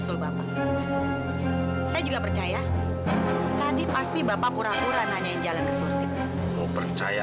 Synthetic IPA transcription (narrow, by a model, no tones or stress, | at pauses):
sʊlbapa | sajad͡ʒuɡapərt͡ʃaja | t̪adipast̪ibapapuɾapuɾahnaɲaand͡ʒalankəsulat̪it̪ | mopərt͡ʃa̰ja